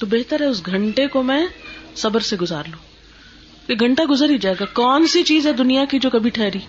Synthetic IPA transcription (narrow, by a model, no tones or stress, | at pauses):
t̪obeɦt̪əɾɦɛʊsɡʱɐ̃ɳʈekomɛ̃sɐbəɾseɡʊzaːɾlũː | keɡʱɐ̃ɳʈaɡʊzɾid͡ʒaːeːɡakɔːnsit͡ʃiːzɦɛd̪ʊnijakid͡ʒoːkɐbʱiʈʰɛːɾiː